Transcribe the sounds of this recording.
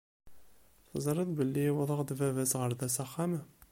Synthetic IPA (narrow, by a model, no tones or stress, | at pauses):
θəzˤɑɾˤɑðbəlːiwðˤɑʁd̪vævæsʁəɾðæsæχːæm